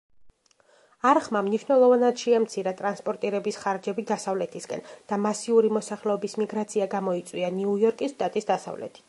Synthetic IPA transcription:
aɾχmamniʃnɛlˠɔvanad̪̥ʃiɛamt̪sʰiɾat̪ʼɾanspʼɔɾt̪ʼiɾɛbisχaɾd͡ʒɛbid̪asavlɛt̪ʰisɡʼɛ̰nd̪̥amasiuɾimɔsaχlɛɔbismiɡɾat̪sʰiaɡamɔit̪sʼwianiujɔɾkʼisʃt̪ʼat̪ʼisd̪asa̰vlɛ̰t̪ʰi̥

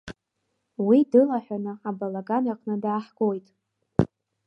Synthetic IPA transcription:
widɨlaħʷᶣanɨabalaɡanaqʼnɨdaːħɡ̥ʼojtʼ

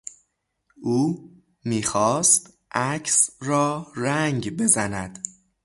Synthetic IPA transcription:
ʔuː | miːxɒːst̪ | ʔæcʰsɾɒːræŋɡbe̞zænæd̪̥

